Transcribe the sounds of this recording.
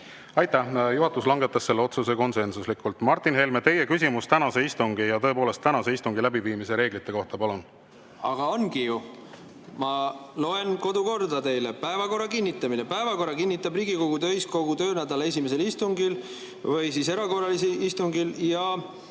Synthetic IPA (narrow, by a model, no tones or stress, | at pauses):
ɑjt̪ːˑæhjuɦɑt̪ːˑuslɑŋɡet̪ːˑɑsːe̞lːeo̞t̪suse̞ko̞nse̞nsuslikːˑult̪ˑmɑrt̪ːˑinɦe̞lmet̪e̞je̞kysʲimust̪ænɑse̞ist̪uŋɡ̥ijɑt̪ɤepoːle̞st̪ːænɑse̞ist̪uŋɡ̥ilæbiviːmise̞ɾe̞ːɡ̥lit̪ːˑe̞ko̞ht̪ɑpɑlun | ɑ̰ɡ̥ɑo̞nɡiju | mɑlo̞e̞nko̞d̪uko̞rd̪ɑt̪e̞jlepæevɑko̞rːɑkinʲːit̪ːˑɑminepæevɑko̞rːɑkinʲːit̪ːˑɑbriːɡiko̞ɡ̥ut̪øjsko̞ɡ̥ut̪ø̞ːnæd̪ɑlee̞sʲimese̞list̪uŋɡil | vɯjsise̞ɾɑko̞rːɑlisiʔist̪uŋɡiljɑ